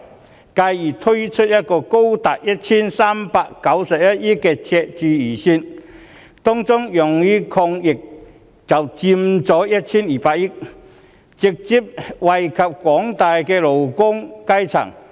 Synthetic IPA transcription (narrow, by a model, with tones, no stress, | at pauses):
kaː˧jiː˨˩t̪ʰɵ˥ɥt͡ʃʰɵ˥t̚jɐ˥t̚kɔː˧ko˥wt̪aː˨t̚jɐ˥t̚t͡ɕʰiː˥nsaː˥mpaː˧kːɐ˨˥wsɐ˨p̚jɐ˥t̚ji˥kːɛ˧t͡sʰɛ˧t͡ʃyː˧jiː˨˩siː˧n | t̪ɔː˥ŋt͡sʊ˥ŋjʊ˨˩ŋji˥kʰɔː˧ŋjɪ˨˩k̚ | t͡sɐ˨˩wt͡si˧mt͡sɔː˨˥jɐ˥t̚t͡ɕʰiː˥njiː˨˩paː˧k̚ji˥k̚ | t͡sɪ˨k̚t͡si˨˥p̚wɐ˨jkʰɐ˨p̚kʷɔː˨˥ŋt̪aː˨jkɛː˧lo˨wkʊ˥ŋkɐ˥jt͡sʰɐ̰˨˩ŋ